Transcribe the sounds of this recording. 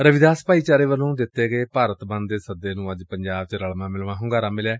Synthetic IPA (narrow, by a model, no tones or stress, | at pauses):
ɾəʋɪd̪aːspaːiːt͡ʃaːɾeːʋəlːõːd̪ɪt̪ːeːɡəeːpaːɾət̪bə̃nd̪eːsəd̪eːnũːəd͡ʒpəɲd͡ʒaːbt͡ʃɾəɭmãːmɪlʋãːɦʊ̃ːɡaːɾaːmɪljaː